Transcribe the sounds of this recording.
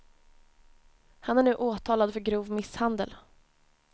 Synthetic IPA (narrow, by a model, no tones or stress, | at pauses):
hanæɳʉ̟ːʔoːt̪ʰɑːlad̪fœɾɡɾuːvmɪshand̪ə̰l